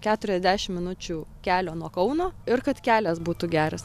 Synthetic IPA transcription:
kʲæːt̪ʊɾʲɛzʲd̪ʲæːʃʲɪmʲɪnʊt͡ʃʲuːkʲæːlʲoːnuɔkɐʊnoːɪrkɐt̪kʲæːlʲɛsbuːt̪ʊɡʲæːɾɐs

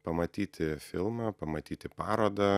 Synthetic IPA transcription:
pɐmɐt̪ʲiːt̪ʲɪfʲɪlˠmɑpɐmɐt̪ʲiːt̪ʲɪpɑːɾoːd̪ɐ

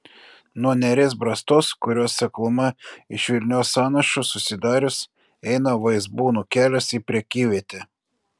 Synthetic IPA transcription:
nuɔnʲɛɾʲeːsbɾɐst̪oːskʊɾʲoːsːʲɐklˠʊmɐɪʃʲʋʲɪlʲnʲoːsɑːnɐʃʊsʊsʲɪd̪ɑːɾʲʊs | ɛɪnɐʋɐɪzbuːnukʲæːlʲosipʲɾʲɛkʲiːʋʲiɛt̪ʲɛ

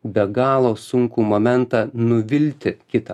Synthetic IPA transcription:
bʲɛɡɑːlˠoːsʊŋkumoːmʲɛnt̪ɑnʊʋʲɪlʲt̪ʲɪkʲɪt̪ɐ

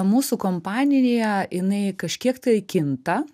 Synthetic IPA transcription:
muːsʊkompɑːnʲɪnʲɪjɛjɪnɐɪkɐʃʲkʲiɛkt̪ɐɪkʲɪnt̪ɐ

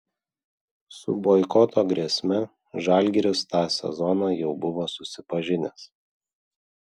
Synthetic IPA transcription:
sʊ̰boɪkɔt̪ʰoːɡɾʲɛsʲmʲɛ | ʒɑˑlʲɡʲɛɾʲɪst̪ɑːsʲɛ̰zɔnɑːjɛʊbʊʋoːsʊsʲɪpɐʒʲɪnʲɛs

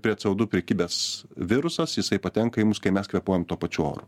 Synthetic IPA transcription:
pʲɾʲiɛt̪sʲɐʊd̪ʊpʲɾʲɛkʲiːbʲɛsʋʲɪɾʊsɐsjɪsɐɪpɐt̪ʲɛŋkɐɪmʊskɐɪmʲɛskʋʲiɛpoːjɛmt̪uɔpɐt͡ʃʲuo̰ːɾʊ

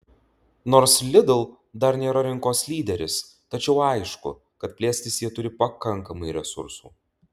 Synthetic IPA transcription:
noːɾslʲɪd̪ʊlˠ | d̪ɐɾnʲeːɾɐɾʲɪŋkoːslʲiːd̪ʲɛɾʲɪs | t̪ɐt͡ʃʲɛʊɐɪʃkʊ̰ | kɐt̪̚pʲlʲeːsʲt̪ʲɪsʲjiɛt̪ʊɾʲɪpɐkɐŋˑkɐmɐɪɾʲɛsʊ̰ɾsṵː

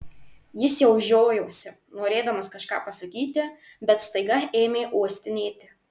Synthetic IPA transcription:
jɪsjɛʊʒʲoːjoːsʲɪ | noːɾʲeːd̪ɐmɐskɐʃkɑːpɐsɐkʲiːt̪ʲɪ | bʲɛt̪st̪ɐɪɡɐeːmʲeːʔuɔsʲt̪ʲɪnʲeːt̪ʲɪ

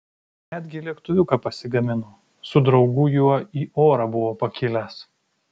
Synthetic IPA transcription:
nʲæd̪ʲɡʲɪlʲiɛkt̪ʊʋʲʊkɐpɐsʲɪɡɐmʲɪno | sʊd̪ɾɒʊɡʊjuɔiːʔoːɾɐbʊʋoːpɐkʲɪlʲɛs

